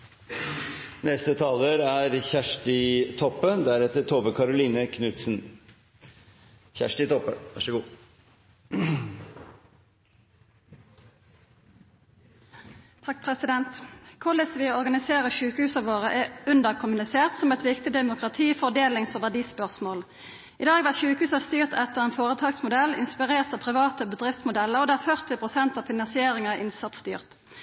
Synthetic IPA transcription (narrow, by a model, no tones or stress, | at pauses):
nɛst̪ət̪ʰɑːləɾæɾçæʂʈɪt̪ʰɔpːənd̪æɾɛt̪ət̪ʰobəkʰɑɾʊliːnəkʰnʉt̪sn̩ | çæ̰ʂʈɪt̪ʰɔpːəʋɑʂəɡuː | t̪ʰɑk̚ːpʰʁɛsɪd̪ɛnt̪kʰʊləsʋɪɔʁɡɑnɪseːʁəʃʉːkəhʉːsɑʋoːʁəʔɛʉnd̪əʁkʰʊmʉnɪseːʁt̪sɔmɛt̪ʋɪkt̪ɪd̪ɛmʊkʁɑt̪ʰiːfɔd̪eːlɪŋsoʋæʁdiːspœʁsmoːl | ɪd̪ɑːɡʋæʁt̪ʃʉːkəhʉːsɑst̪yːʁt̪ʰɛt̪əʁeːnfoːʁət̪ʰɑːɡsmʊd̪ɛlɪ̰nspɪʁeːʁt̪ɑːpʰʁɪʋɑːt̪əbəd̪ʁɪft̪smʊd̪ɛləʁod̪eːæːʁfœʁt̪ɪpʰʁʊsɛnt̪ɑːfɪnɑnsɪeːʁɪŋɑæʔɪnsɑt̪st̪y̰ːʁt̪